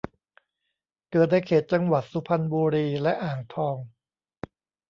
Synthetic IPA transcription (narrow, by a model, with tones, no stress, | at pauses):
kɤː˨˩t̪̚naː˧jkʰeː˨˩t̪̚t͡ɕa˧ŋwa˨˩t̪̚su˧˦pʰa˧nbuː˧ɾiː˧lɛ˦˥ʔaː˨˩ŋt̪ʰɔː˧ŋ